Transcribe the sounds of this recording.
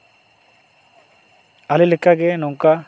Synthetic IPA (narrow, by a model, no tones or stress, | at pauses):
ɐlilikːaɡenoŋka